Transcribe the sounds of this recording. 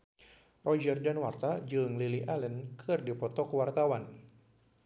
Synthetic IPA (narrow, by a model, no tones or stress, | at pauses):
rɔd͡ʒərdanwart̪ad͡ʒɨŋliliʔalənkʰɨrdipɔt̪ɔkwart̪awan